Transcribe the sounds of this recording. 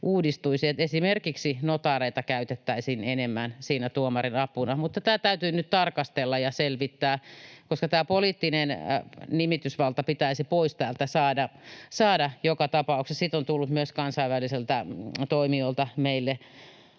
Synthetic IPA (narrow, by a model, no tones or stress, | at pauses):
ʔuːdist̪uisiet̪esimerkiksinot̪ɑreit̪ɑkæyt̪et̪ːæisiːnenemːænsiːnæt̪uomɑrinɑpunɑmut̪ːɑt̪æːt̪æyt̪yːnyt̪t̪ɑrkɑst̪elːɑjɑselʋit̪ːæːkoskɑt̪æːpolit̪ːinennimit̪ysʋɑlt̪ɑpit̪æisipoist̪æːlt̪æsɑːdɑsɑːdɑjokɑt̪ɑpɑuksessit̪ont̪ulːut̪myøskɑnsɑiʋæliselt̪æt̪oimiolt̪ɑmeilːe